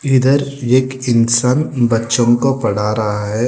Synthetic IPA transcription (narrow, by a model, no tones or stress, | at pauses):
ɪd̪əɾeːkɪnsaːnbɐtːʃõkopɐɽ̤aːɾɐɦaɦɛː